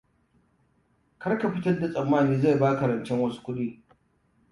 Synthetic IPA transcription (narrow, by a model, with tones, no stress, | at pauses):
kɐ˦ɽka˨ɸɪ˦tɐ˦rda˨sʼɐ˨mːaː˦˨niː˦za˦˨jbaː˦kɐ˨ɾɐ˨nt͡ʃɛ˦ŋwɐ˦su̥˦kʷʊ˦ɗiː˦